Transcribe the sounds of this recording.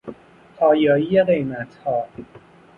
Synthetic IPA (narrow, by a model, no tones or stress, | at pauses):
pʰɒːjɒːjiːje̞ɣe̞jmæt̪ʰhɒː